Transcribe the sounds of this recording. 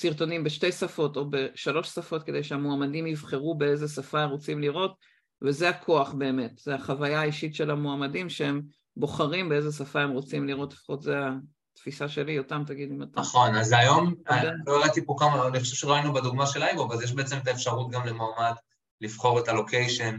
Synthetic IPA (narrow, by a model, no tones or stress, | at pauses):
siʁto̞nimbeʃte̞jsafo̞to̞be̞ʃalo̞ʃsafo̞t̚ke̞dejʃeamoamadimivχe̞ʁube̞e̞zesafaemʁo̞t͡simliʁo̞t | ve̞zeakʰo̞aχbe̞ːme̞tz̥eaχavajaːiʃitʃe̞lamoamadimʃeem | bo̞χaʁimbeezes̬afae̞mʁo̞t͡simliʁo̞tlefχo̞tzea | tfisaʃe̞lijotamtaɡid̪imataaχonazajo̞meoeʁet̪ipokamaniχoʃevʃeloainubed̪uɡmaʃelajɡovazjɛʃ̬beet͡semet̪̬aefʃaʁut̚ɡamlemoamad | livχo̞ʁetalo̞kejʃen